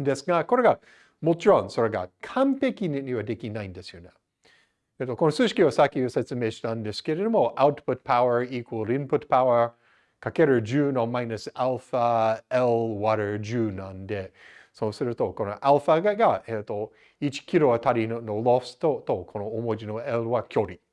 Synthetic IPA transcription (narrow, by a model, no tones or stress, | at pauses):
nd̪esɡakoɾeɡa | mot͡ʃɾõnsoɾeɡa̰kʰãmpekinniβad̪e̞kʲinãĩnd̪esɨjonɛ | et̪ːokonosɨʃi̥kʲiβasakʲioset͡sɨmeʃi̥t̪ãnd̪eske̞ɾed̪omoʔaʊt̪pʊt̪̚pʰaʊə˞ikwəlˠɪ̃npʊt̪paʊə˞ | kʰakeɾɯd͡ʒʉːnomaɪnɨsalfaɛlwaɾə˞d͡ʒʉːnãnd̪esoːsɨɾɯt̪okonoʔalfaɡaɡaʔet̪ːo | it͡ʃi̥kʰʲiɾoat̪ʰaɾinɯnolost̪ot̪okʰonoomod͡ʒinoelwakʲʰoɾi